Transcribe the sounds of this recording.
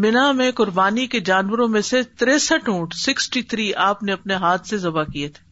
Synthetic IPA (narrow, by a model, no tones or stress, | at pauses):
mɪnamẽkʊɾbaːniked͡ʒaːnʋəɾõmẽset̪ɾeːsəʈũːʈsɪksʈit̪ʰɾiːʔaːpneɐpneɦaːt̪ʰsezɐbakiet̪ʰeː